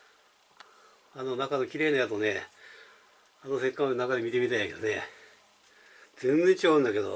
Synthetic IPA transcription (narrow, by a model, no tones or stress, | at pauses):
anonakanokʲiɾe̞ːnajat̪one | anose̞kːãnakad̪emit̪e̞mʲit̪aiake̞d̪o̰ne | d͡zẽ̞nzeɲt͡ɕiɡaɯ̃nd̪ake̞d̪o̰